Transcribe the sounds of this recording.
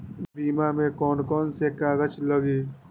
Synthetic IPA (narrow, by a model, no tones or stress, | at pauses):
biːmamẽkɔːnkɔːnsekaːɡət͡ʃləɡeː